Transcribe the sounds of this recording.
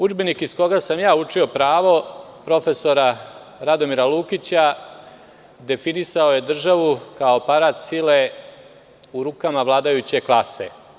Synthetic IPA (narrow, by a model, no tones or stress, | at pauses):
ud͡ʒbe̞nikisko̞ɡasamjaːut͡ʂio̞pɾaːʋo̞ | pɾo̞fe̞so̞ɾa | ɾad̪o̞miɾalˠuːkit͡ɕa | d̪e̞finisao̞je̞d̪r̩ʒaʋukao̞paɾaːt̪sile̞ | uɾukamaʋlˠaːd̪ajut͡ɕe̞klˠasḛ